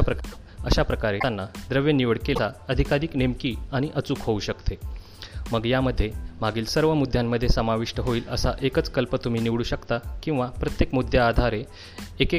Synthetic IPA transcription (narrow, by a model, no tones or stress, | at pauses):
pɾə | əɕapɾəkaɾeanːad̪ɾəʋjəniʋəɽkesaəd̪ʱikaɾiːknemkiːaɽ̃iʔət͡suːkɦouɕəkt̪e | məɡjaməd̪ʱːjem̤aɡiːlsəɾʋəmud̪ʱːjamːəd̪ʱːjesəmaʋiʂʈəɦoiːləsaʔekət͡skəlpət̪um̤iːniʋɽuːɕəkt̪akĩw̃ʋapɾət̪jekmud̪ʱjaːd̪ʱaɾeː | ke